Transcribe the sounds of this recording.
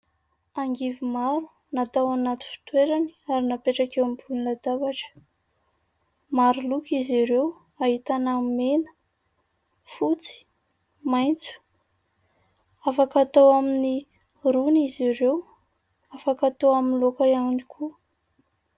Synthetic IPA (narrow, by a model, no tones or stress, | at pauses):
aŋɡivimaɾu̥ | nat̪awanat̪u̥fi̥t̪weɾani̥aɾinapeʈ͡ʂakewambulnlad̪avaʈ͡ʂə̥ | maɾulukiziɾew | aɦit̪anamenə̥ | fut͡si̥ | majnt͡su̥ | afakat̪awamini | ɾuniziɾew | afakat̪oaminlokaiaŋnikʰu